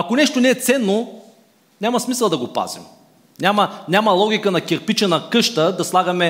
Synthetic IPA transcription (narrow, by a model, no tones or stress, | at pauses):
ɐkonɛʃt̪onɛːt̪sɛnːo | nʲamɐsmisəlˠd̪ɐɡopa̰zḭm | nʲamɐnʲamɐlˠɔɡʲikənɐkʲɛɾpit͡ʃɛnɐkɤʃt̪əd̪ɐslˠaɡɐmɛ